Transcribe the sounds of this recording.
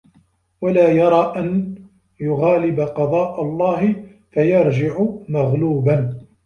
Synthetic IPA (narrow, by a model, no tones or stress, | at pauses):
walaːjɑɾˤɑːʔan | jʊɣaːlɪbaqɑd̪ˤɑːʔalˤːɑːɦɪ | fajɑɾˤd͡ʒɪʕʊmaɣluːban